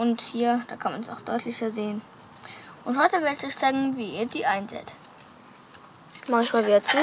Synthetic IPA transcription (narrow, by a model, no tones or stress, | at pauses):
ʔʊnthiːɐd̥aːkʰanmansa̰ʊxd̥ɔʏtʰlɪçɐzeːən | ʔʊnthɔʏtəvɪɐdtɔʏçt͡saɪɡŋ̩viːʔiːɐdiːʔaɪnzɛ̰ːt | mançmaːlviːɐt͡suː